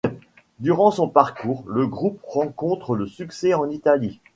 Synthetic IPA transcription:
d̪yʁɑ̃sɔ̃paʁkuːʁləɡʁupʁɑ̃kɔ̃t̪χələsyksɛɑ̃nit̪ali

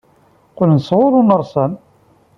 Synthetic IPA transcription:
qʊlnswʊɾˤʊnəɾˤsɑn

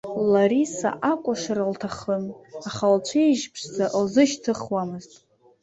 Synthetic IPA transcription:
laɾisa̰ʔakʷʼaʂaɾaltʰaχəmaχalt͡ʃʷʰejʒpʰʂd͡zaʔlzɨʃtʰɨχwamɨztʼ

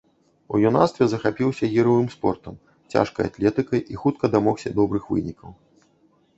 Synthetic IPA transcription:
ṵjuna̰st̪vʲɛzɐxapʲiwsʲɐɣʲiɾɐvɨmspɔrt̪ɐm | t͡sʲa̰ʂkɐja̰t̪lʲɛt̪ɨkɐjʔixut̪̚kɐd̪amɔwsʲɐd̪ɔbɾɨxvɨ̰nʲikɐw

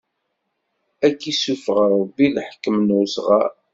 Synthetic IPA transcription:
ækːisufəʁɾˤəbːilħkːəmnusʁa̰

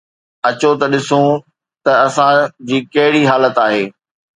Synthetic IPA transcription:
ɐt͡ɕot̪ɐɗɪsũ | t̪ɐɐsãd͡ʑiːkɐɦɪɽiɦaːlət̪aːɦeː

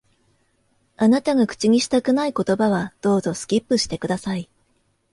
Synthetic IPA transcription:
anat̪aɡakɯ̟̥t͡ɕiɲ̟iɕi̥t̪akɯ̟naiko̞t̪o̞baβad̪̥o̞ːzo̞sɨ̥kʲipːɯ̟ɕi̥t̪e̞kɯ̟d̪asai

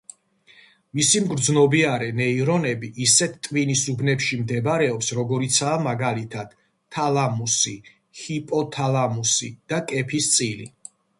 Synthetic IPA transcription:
misimɡɾd̪znɔbiaɾɛnɛiɾɔnɛbiʔːsɛt̪ʰt̪ʼvinisubnɛpʃimd̪ɛbɾɛɔpsɾɔɡɔɾit̪sʰaːmaɡalit̪ʰad̪̥ʰ | alˠamusi | hipʼɔt̪ʰalˠamusḭd̪̥akʼɛpʰist̪sʼilḭ

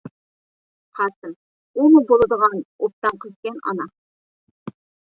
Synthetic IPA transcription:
qʰɑsɨɾ | umubolˠɨd̪əʁɑnop̚t̪ɑmqʰət̪kʲɛnɑ̰nɑ

